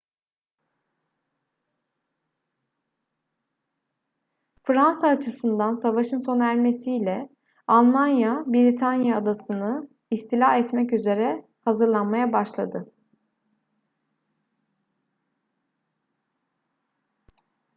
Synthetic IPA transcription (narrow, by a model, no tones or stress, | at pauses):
fɾansaːt͡ʃʰɯsɯnd̪ansavaʃɯnso̞næɾʲme̞sijlʲɛ | alˠmanjabiɾit̪ʰanjaːd̪asɯnɯ | ist̪ʰilʲaɛt̪mɛcyze̞ɾɛ | hazɯɾlˠanmajabaʃlˠad̪ɯ